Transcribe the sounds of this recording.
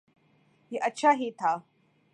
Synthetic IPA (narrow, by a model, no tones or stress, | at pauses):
ɦiʔətːɕʰaɦiːt̪ʰa